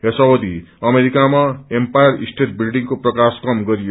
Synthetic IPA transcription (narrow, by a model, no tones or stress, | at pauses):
ɦesʌwod̪iʌmeɾikamaempajʌrisʈeʈ̚bilɖiŋkoprʌkaskʌmɡʌɾijo